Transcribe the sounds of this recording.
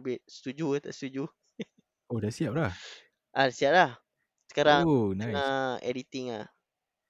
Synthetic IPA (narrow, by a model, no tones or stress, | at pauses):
bɪt̪̚sə̥t̪ud͡ʒut̪a̰ʔst̪ud͡ʒu | odasiap̚lah | ʔadasiap̚lah | sə̥kaɾaŋnaaɛ̰dit̪iŋa